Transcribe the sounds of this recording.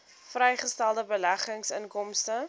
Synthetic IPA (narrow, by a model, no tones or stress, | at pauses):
frɛjχəstælˠdəbəlæχəŋsənkɔmstə